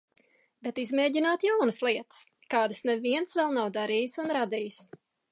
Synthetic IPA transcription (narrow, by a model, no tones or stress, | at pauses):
bɛt̪izmeːɟinaːt̪jawnɨslˠiɛt̪s | kaːd̪ɨsnɛviɛnsvɛlˠnawd̪aɾijsunɾad̪ijs